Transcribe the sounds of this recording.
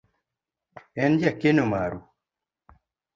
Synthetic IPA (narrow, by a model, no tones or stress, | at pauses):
end͡ʒakinumaːɾu